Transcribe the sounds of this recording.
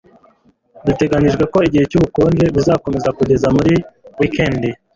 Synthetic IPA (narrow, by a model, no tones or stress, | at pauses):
dite̞ɡaɲiʒɡweko̞iɟihe̞cuːβukoːnɡe̞βizako̞me̞zakuɟe̞zamuɾiwikendi